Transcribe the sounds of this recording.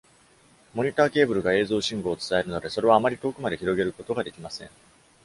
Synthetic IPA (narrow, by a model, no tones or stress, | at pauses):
mo̞ɲ̟it̪aːke̞ːbɯ̟ɾɯ̟ɡae̞ːzo̞ːɕĩŋɡo̞ːt͡sɨ̥t̪ae̞ɾɯno̞d̪e̞so̞ɾe̞β̞aːmaɾʲit̪o̞ːkɯ̟mad̪e̞çiɾo̞ɡe̞ɾɯ̟ko̞t̪o̞ɡad̪e̞kʲimasẽ̞̰ŋ